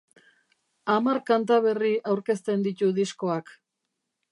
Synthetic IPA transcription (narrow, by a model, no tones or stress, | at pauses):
amarkant̪aβe̞riʔawɾke̞st̪e̞nd̪it̪uðisko̞ak